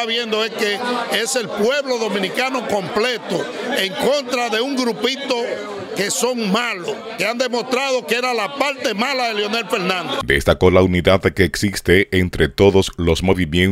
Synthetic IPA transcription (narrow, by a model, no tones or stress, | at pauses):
aβje̞nd̪oeskeese̞lpwe̞βlo̞ðo̞mĩnikano̞ko̞mple̞t̪oeŋko̞nt̪ɾaðe̞uŋɡɾupit̪o̞ | ke̞so̞ŋmaloskeand̪e̞mo̞st̪ɾaðo̞kee̞ɾalapaɾt̪e̞malaðeleo̞ne̞lfeɾnãnd̪ed̪ḛst̪ako̞launiðaðkeːksist̪eːnt̪ɾe̞t̪o̞ðoslo̞smo̞βimjen